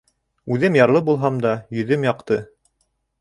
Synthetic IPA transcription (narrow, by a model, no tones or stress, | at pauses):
ʉðɘmjɑɾlˠɤbulˠɦɑmd̪ɑjɵ̆ðɘmjɑqt̪ɤ